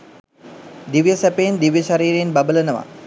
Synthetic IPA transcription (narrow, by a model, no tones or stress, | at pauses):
d̪iʋjəsæpejːnd̪iʋjəʃaɾiːɾeːnbabələnəʋa̰